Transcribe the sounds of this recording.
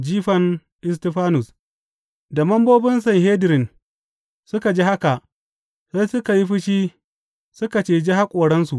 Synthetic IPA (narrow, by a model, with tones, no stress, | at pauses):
d͡ʒiː˦ɸɐ˨n | ʔɪ˦s̬tɪ˦ɸaː˦nʊ˨s | da˨mɐ˦mboː˦bɪ˦nsɐ˨ŋɦeː˦dɪ˨ɾɪ˨n | sʊ˦ka˨d͡ʒi˦ha˦ka˨ʔ | sa˦jsʊ˦ka˨ji˦ɸɪ˦ʃiː˦ | sʊ˦ka˨t͡ʃeː˦d͡ʒi˦ha˦kʷʼoː˨ɽɐ˦nsu˨ʔ